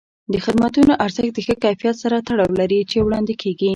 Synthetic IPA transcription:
d̪əxɪd̪mat̪unoʔaɾzəxt̪̚d̪əxəkajfijat̪saɾat̪aɽɑwlaɾit͡ʃewɽɑnd̪ɪkʰeɡi

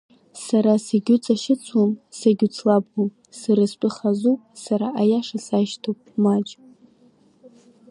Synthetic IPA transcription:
saɾasaɡʲʊt͡sʼaʃɪt͡sʷʰomsaɡʲut͡sʰlab̚um | sɨɾɨspʷʼɨχazupʼsaɾaʔajaʂasajʃtʰowpʼmad͡ʒʼ

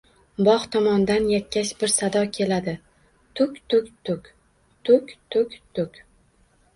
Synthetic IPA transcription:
bɒχt̪ʰɒmɒnd̪anjakʲʰːaʃbɪɾsad̪ɒkʲʰe̞lad̪ɪ | t̪ʰʊkʲt̪ʰʊkʲt̪ʰʊkʲ | t̪ʰʊkʲt̪ʰʊkʲt̪ʰʊkʲ

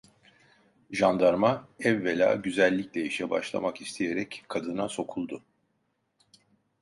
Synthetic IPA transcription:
ʒand̪aɾmaɛvːelʲa̰ːɟyzælʲːiclʲɛiʃɛba̰ʃlˠa̰makist̪ʰije̞ɾɛckʰːad̪ɯnaso̞kʰulˠd̪ʊ

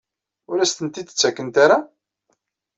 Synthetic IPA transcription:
ʊɾæst̪ənt̪id̪ə̥t͡sːækːənt̪aɾa

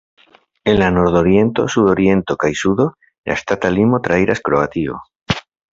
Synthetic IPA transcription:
elanoɾðoɾje̞nt̪o̞̰suðoɾje̞nt̪okajsuðo | ja̰st̪at̪alimot̪ɾaejɾʔaskɾoat̪io̰

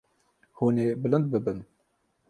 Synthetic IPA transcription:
huːneːbɨlɨnd̪̚bɨbɨn

